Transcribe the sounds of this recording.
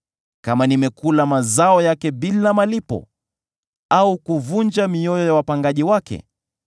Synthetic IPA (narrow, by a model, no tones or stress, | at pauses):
kamanimɛkulamazaɔjakɛɓilamalipɔ̰ | aukuvund͡ʒamiɔjɔjawapaŋɡaʄiwakɛ̰